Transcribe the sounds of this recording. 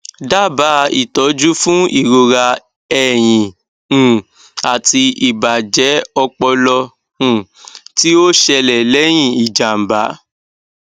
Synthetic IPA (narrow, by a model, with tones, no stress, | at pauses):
da˦˨ba˨˦ḭ˨tɔ˨˦d͡ʒu˦fũ˦i˦˨ɾo˧ɾa˧ | ɛ˦˨j̃ĩ˨ | ũ˨ | a˨ti˧i˨ba˨d͡ʒɛ˨˦ɔ˧k͡pɔ˧lɔ˧ | ũ˨ti˦o˦ʃɛ˧lɛ˨lɛ˨˦j̃ĩ˦˨i˨d͡ʒa˨m̩˨ba˨˦